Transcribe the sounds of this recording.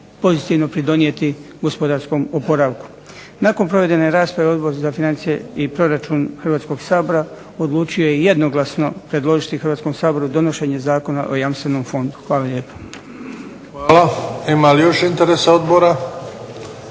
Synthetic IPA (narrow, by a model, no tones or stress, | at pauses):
po̞zit̪iʋno̞pɾid̪o̞nie̞t̪i | ɡo̞spo̞d̪aɾsko̞mopo̞ɾaːʋku̥ | nakonpɾo̞ʋe̞d̪e̞ne̞ɾaːspɾaʋeo̞d̪bo̞ɾzafinant̪sije̞ipɾo̞ɾat͡ʃunxrʋaːt̪sko̞ɡsaːbo̞ɾa | od̪lˠuːt͡ʃiojeje̞d̪no̞ɡlˠasno̞pɾe̞d̪lˠo̞ʒit̪ixəɾʋat̪sko̞msaːbo̞ɾud̪o̞no̞ʃe̞ɲe̞zaːko̞na̰ʔojamst̪ʋe̞nomfo̞nd̪u̥xʋaːlaʎe̞ːpo̥ | ʋaːlaimalijo̞ʃint̪eɾesaod̪boɾa